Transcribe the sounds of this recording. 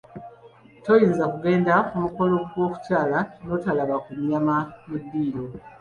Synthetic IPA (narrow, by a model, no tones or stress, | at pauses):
to̞jiːnzakuɡe̞ːndaumuko̞loɡwo̞ːku̥caːlano̞ːtalaβakumjamamudːiːɾo̞